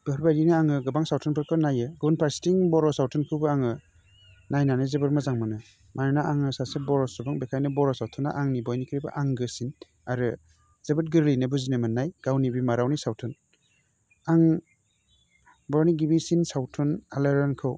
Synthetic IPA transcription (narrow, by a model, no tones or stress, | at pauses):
b̥ɯhɾbajɾinɯaŋɯɡɯbaŋsawtʰɯnpʰɯɾkʰɯnajɯɡɯbunpʰaɾsi̥tiŋbɔɾɔsawtʰɯnkʰɯwbɯaŋɯ | najnanɯzebɯɾmazaŋmɯnɯ | manɯnaaŋɯsasebɔɾɔsɯbaŋbekʰajnɯbɔɾɔsawtʰɯna̰ʔaŋnibɔjnikʰɾiba̰ʔaŋɡɯsin | aɾɯ | z̥ebɯt̚ɡɯɾlinɯbuzinɯmɯnːajɡ̥awnibimaɾawnisawtʰɯn | aŋ | bɔɾɔniɡibisinsawtʰɯnaleɾɔnkʰɯw